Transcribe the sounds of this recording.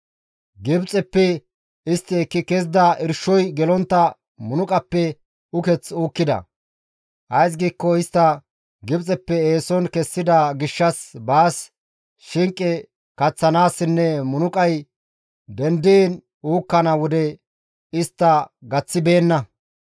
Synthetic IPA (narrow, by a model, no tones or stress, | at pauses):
ɡɪbt͡sʼɛpːɛ | ɪst̪ːɪɛkːɪkɛz̬d̪ɐʔɪɾʃɔjɡɛlɔnt̪ːɐ | mʊnʊkʼɐpːɛ | ʊkɛt͡suːkːɪd̪ɐ̰ | ʔɐjs̬ɡiːkːɔɪst̪ːɐ | ɡɪbt͡sʼɛpːɛeːsɔnkɛsːɪd̪ɐɡɪʃːɐsbaːs | ʃɪŋkʼːɛ | kɐt͡sːɐnaːsːɪnːɛmʊnʊkʼɐj | d̪ɛnd̪en | uːkːɐnɐwɔd̪ɛ | ɪst̪ːɐɡɐt͡sːɪbe̞ːnːɐ